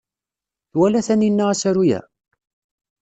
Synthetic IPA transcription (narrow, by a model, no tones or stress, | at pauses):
θwælæθæninːaʁæsæɾujæ̰